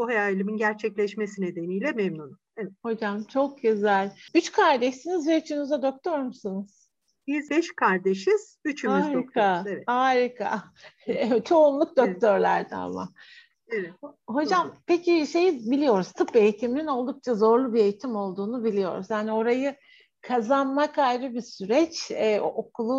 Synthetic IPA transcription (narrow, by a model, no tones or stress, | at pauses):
buɦajailʲiminɟæɾt͡ʃʰɛclʲɛʃmesined̪e̞nijlʲɛmɛmnun | evɛt̪ho̞d͡ʒamt͡ʃʰo̞k̚ɟøzælʲyt͡ʃkʰaɾd̪ɛʃsinizbɛyt͡ʃʰynyzɛd̪o̞k̚t̪ʰo̞ɾmusɯnɯz̥ | b̥izbɛʃkʰaɾd̪eʃiz̥ | yt͡ʃʰymayzːɾikk̪ʰaeɛhaːɾikʰa̰ | t͡ʃʰo̞unlˠuk̚d̪ok̚t̪ʰøɾlʲæ̰ɾd̪ɛ̰a̰ma̰ | ho̞d͡ʒampe̞ciʃe̞jibilʲijo̞ɾuz̥t̪ʰɯpe̞jit̪ʰiminino̞lˠd̪uk̚t͡ʃʰazo̞ɾlˠubie̞jit̪ʰimo̞lˠd̪uːnubilʲijo̞̰ɾuz̥jaːnio̞ɾajɯ | kʰazanmakajɾɯbisyɾɛt͡ʃɛːʔokʰulˠu